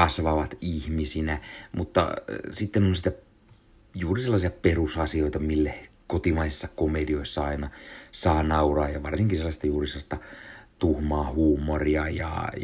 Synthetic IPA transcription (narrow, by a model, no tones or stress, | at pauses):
ɑsʋɑʋɑt̪ihmisinæmut̪ːɑ̰sit̪ːenonsit̪æ | juːriselːɑsiɑperusɑsioit̪ɑmilːekot̪imɑisisːɑkomedioisːɑɑinɑsɑːnɑurɑːjɑʋɑrsiŋkiselːɑst̪ɑjuːriselːɑst̪ɑt̪uhmɑːhuːmːoriɑjɑ̰